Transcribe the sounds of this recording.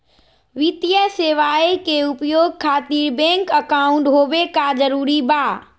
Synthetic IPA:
ʋɪt̪ijəseːʋaːekeʊpjoːɡ̚kʰaːt̪iːɾbɛ̃ːŋkəkaːʊ̃ɳʈɦoːʋekazɐɾuːɾibaː

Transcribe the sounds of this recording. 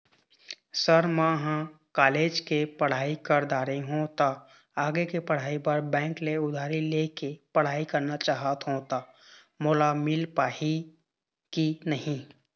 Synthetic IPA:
səɾmãɦã | kaːleːd͡ʒkepəɽ̤aːikəɾd̪aːɾeɦũt̪a | aːɡekepəɽ̤aːipəɾbɛ̃ːŋkleʊd̪ʱaːɾileːkepəɽ̤aːikɐɾnat͡ʃaːɦət̪ɦõt̪a | moːlamɪlpaːi | kinəɦĩ

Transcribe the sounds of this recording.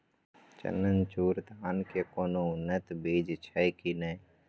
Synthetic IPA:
t͡ʃə̰nənt͡ʃuːɾd̪ʱaːnkekoːnoʊnːət̪beːd͡ʒt͡ʃʰəjkinəi

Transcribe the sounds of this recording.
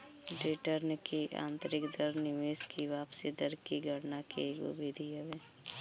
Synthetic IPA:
ɖiʈəɾnkiʔã̰ːnt̪ɾɪkd̪əɾnɪʋeːskiʋaːpsid̪əɾkiɡʱəɾnakeɡo̰bʱid̪ʱiəʋe

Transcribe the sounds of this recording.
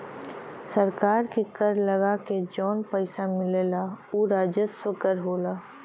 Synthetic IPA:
sɐɾkaːɾkikəɾləɡaked͡ʒɔːnpəɪsamɪleːlauːɾaːd͡ʒəswəkəɾɦoːlaː

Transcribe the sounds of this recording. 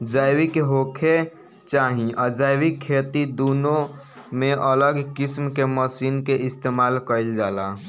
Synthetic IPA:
d͡ʒaːɪwikeɦokʰe | t͡ʃaːɦĩʔəd͡ʒaːɪwikʰːeːt̪id̪oːnõ | mẽʔələɡkɪsmkeməsiːnkeɪst̪eːmaːlkəɪld͡ʒaːla

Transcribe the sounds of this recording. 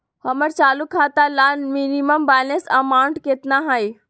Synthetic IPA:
hɐməɾt͡ʃaːlukʰaːt̪alanminiməmbaːnesɐmaːwɳʈket̪naɦəj

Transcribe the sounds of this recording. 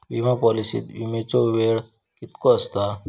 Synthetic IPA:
ʋimapɔlisḭt̪ʋimet͡soʋeɽ | kɪt̪koəst̪a

